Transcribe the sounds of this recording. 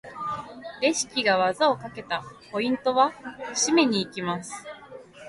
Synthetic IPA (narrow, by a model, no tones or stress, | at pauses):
ɾe̞ɕi̥kʲiɡaβazao̞kake̞t̪apo̞ĩnt̪o̞βaɕime̞ɲ̟iːkʲimasɨ̥